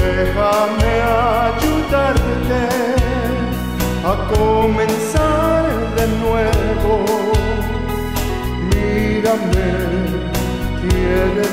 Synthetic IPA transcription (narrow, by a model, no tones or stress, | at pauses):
ehamead͡ʒut̪aɾd̪et̪e | akomẽnsaɾ | d̪enwe | βo | miɾame | tieɾe